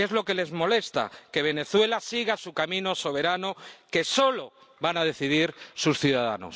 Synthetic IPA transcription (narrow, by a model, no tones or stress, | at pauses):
e̞zlo̞ke̞le̞zmo̞le̞st̪a̰ke̞β̞e̞ne̞θwe̞lasiɣasukamĩno̞so̞β̞e̞ɾanoke̞so̞lo̞ | βanað̞e̞θiðiɾsusθjuðaða̰no̰s